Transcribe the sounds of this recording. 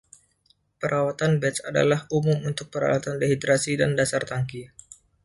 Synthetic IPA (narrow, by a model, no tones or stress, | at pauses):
pəɾʔawat̪anbɛt̪sada̰lahumʊmunt̪ʊk̚pəɾa̰wat̪andeɦid̪ɾasidandasart̪aŋki